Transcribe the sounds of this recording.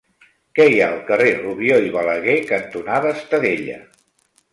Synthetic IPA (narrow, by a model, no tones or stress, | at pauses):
kɛiaəlˠkəreruβjoiβələɣekənt̪unaðəːst̪əðeʎə̰